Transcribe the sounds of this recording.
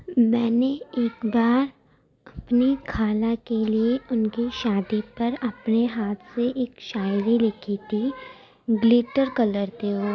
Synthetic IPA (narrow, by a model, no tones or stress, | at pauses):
mɛːneeːkbaːɾ | ɐpnikʰaːlakelieʔʊnkiʃaːd̪ipɐɾɐpneɦaːt̪ʰseʔeːkʃaːjɾilɪkʰit̪ʰi | ɡlɪʈəɾkɐləɾt̪eɦoː